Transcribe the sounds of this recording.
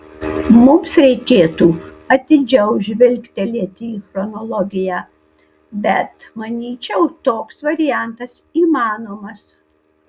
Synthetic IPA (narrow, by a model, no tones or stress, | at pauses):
mʊmsɾʲɛɪkʲeːt̪uːɐt̪ʲɪd͡ʒʲɛʊʊʒʲʋʲɪlʲkt̪ʲɪlʲiɛt̪ʲɪiːxɾɔnɔlˠɔɡʲɪjæː | bʲɛt̪mɐnʲiːt͡ʃʲɛʊt̪oːksʋɐɾʲɪjæˑnt̪ɐsiːmɑːnoːmɐs